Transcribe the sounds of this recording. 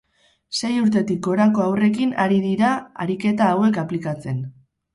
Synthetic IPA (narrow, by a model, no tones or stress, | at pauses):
se̞juɾt̪e̞t̪ik̚ɡo̞ɾako̞awre̞kina̰ɾiðiɾaa̰ɾike̞t̪aːwe̞kaplikat͡se̞n